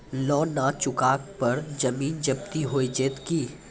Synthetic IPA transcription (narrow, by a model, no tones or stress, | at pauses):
lɔːnãːt͡ʃʊkaːk̚pɐɾd͡ʒɐmiːnd͡ʒɐb̚t̪iɦoːid͡ʒeːt̪kiː